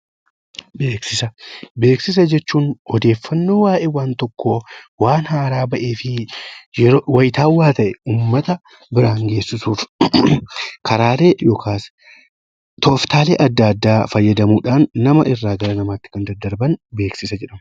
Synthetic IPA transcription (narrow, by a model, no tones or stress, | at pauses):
be̞ːksɪsɐbe̞ːksɪs̬ɐd͡ʒɛt͡ʃːuːnɔd̪e̞ːfːɐnːo̞ːwaːʔewaːnt̪ɔkːoːwaːnhaːɾaːbɐʔe̞ːfɪjɛwɐjɪt̪aːwːaːt̪ɐʔɛuːmːɐt̪ɐ | bɪɾaːŋɡe̞ːsːɪsuːf | kɐɾaːle̞ːjoːkʰaːs | t̪ɔft̪aːlḛːʔɐd̪ːɐɐd̪ːaːfɐjːɐd̪ɐmuːᶑaːnːɐmɐʔɪrːaːɡɐɾɐnɐmaːt̪ːɪ̥kɐnd̪ɐd̪ːɐɾbɐnbe̞ːksɪsɐd͡ʒɛᶑɐmɐ